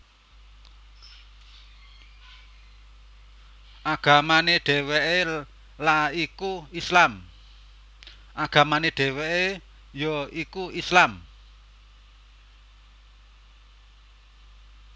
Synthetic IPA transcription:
ʔaɡ̥a̤maneɖ̥e̤weʔe | laikuislam | ʔaɡ̥ä̤maneɖ̥e̤weʔe | joikuislam

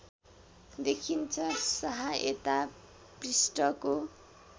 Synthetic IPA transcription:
d̪ekʰint͡sʰʌsʌɦaḛt̪a | prisʈʌko

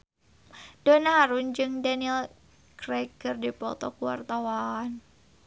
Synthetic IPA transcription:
d̥ɔnaɦaɾʊnd͡ʒɨŋdaniɛl | kɾɛkɨrdipɔt̪ɔkuwa̰rt̪awan

